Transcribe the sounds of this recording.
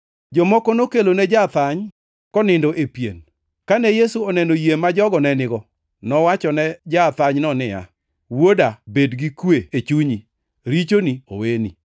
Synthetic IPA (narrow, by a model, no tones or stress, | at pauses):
d͡ʒɔmɔkɔnokelonɛd͡ʒat̪aɲ | kɔnɪndoʔepjḛn | kanɛjesuɔnɛnojemad͡ʒɔɡɔnɛnɪɡɔ | nɔwat͡ʃɔnɛd͡ʒat̪aɲnɔnɪja̰ | wodabedɡikweet͡ʃuɲi | ɾit͡ʃonio̰weni